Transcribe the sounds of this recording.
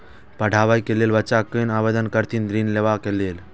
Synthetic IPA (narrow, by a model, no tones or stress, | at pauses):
pəɽʱaːʋajkeleːlʋət͡ʃakənaːʋed̪ənkəɾt̪ʰind̪ɾinleʋakeleːl